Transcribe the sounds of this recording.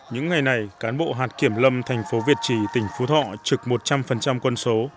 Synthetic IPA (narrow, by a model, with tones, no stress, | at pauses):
ɲɨ̰˧˥ŋːa˨˩jna˨˩jkaː˨˦nɓo̰˧˨ɦaː˨˩t̚ki˧˩əmlə˧mt̪ʰɛ˨˩jŋ̟fo˨˦vi˨˩ət̚t͡ɕi˧˩t̪ï˧˩ŋ̟fu˨˦t̪ʰɔ̰˧˨t͡ɕɨ˨˩k̚mo˨˩t̚t͡ɕa˧mfə˨˩nt͡ɕa˧mkwə˧nso˨˦